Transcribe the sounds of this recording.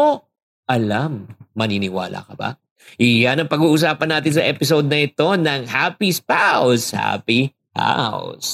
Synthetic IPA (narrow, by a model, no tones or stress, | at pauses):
o | ʔɐlamːɐniːnɪwa̰ːlʔɐ̰kɐba̰ | ʔɪjanɐŋpɐɡuːʔʊs̬aːpɐnːaːt̪ɪns̬ɐʔɛːpɪs̬od̪̚nɐʔɪt̪o̞nɐŋhapispawsha̰pi | ha̰ʊs